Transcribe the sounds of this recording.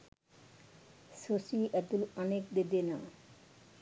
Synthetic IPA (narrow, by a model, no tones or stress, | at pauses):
sosiʔɛt̪ulanek̚d̪ed̪ena̰